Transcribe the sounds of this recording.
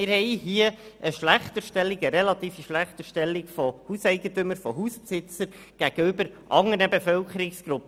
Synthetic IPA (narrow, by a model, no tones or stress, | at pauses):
ɪɾhɛjɦiəəʃlæχt̪əʃtɛlːiɡəɾɛlɑt̪iːfiʃlæχtəʃtɛlːikfɔhusɛɪɡəntɵməɾfɔɦuspsɪt͡səɾ | ɡ̥æɡ̥əʏbəɾ | ʔɑŋəɾnəbefœlkəɾɪksɡ̥ɾupː